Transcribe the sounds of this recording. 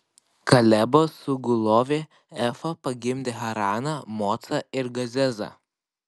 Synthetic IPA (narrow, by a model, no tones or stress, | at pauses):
kɐlʲæbosʊɡʊlˠoːʋʲeː | ɛfɐpɐɡʲɪmʲd̪ʲeːxɐɾɑːnɐmoːt̪sɐɪɾɡɐzʲɛzɐ̰